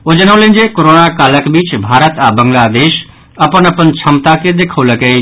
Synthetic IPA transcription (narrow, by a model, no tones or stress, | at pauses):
od͡ʒənəũlẽːɲd͡ʒekoɾoːnakaːləkbiːt͡ʃbʱaːɾət̪abə̃ŋɡlad̪eːʃ | ɐpənəpənt͡ʃʰəmt̪aked̪eːkʰoləɡe